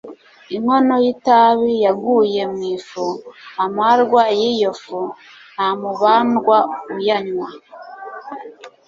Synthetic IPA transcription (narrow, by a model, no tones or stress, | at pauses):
iŋo̞no̞jitaβijaɡuje̞mŋiːfuamaɾɡwajijofu | nhamuβaːnɡwaujaɲwa